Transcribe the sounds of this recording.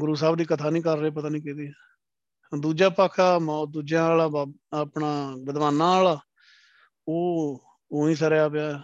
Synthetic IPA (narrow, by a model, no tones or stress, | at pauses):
ɡʊɾuːsaːbd̪iːkət̪ʰaːnĩːkəɾːeːpət̪aːnĩːkɛ̃ːd̪iː | d̪uːd͡ʒaːpakʰaːmaːd̪uːd͡ʒjãːaːlaːaːpɳaːʋəd̪ʋaːnãːaːlaː | oː | oːĩːsəɾeːaːpɪjaː